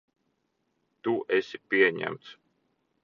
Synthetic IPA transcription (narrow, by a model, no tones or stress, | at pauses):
t̪uʔɛsʲipiɛɲæ̰mt̪s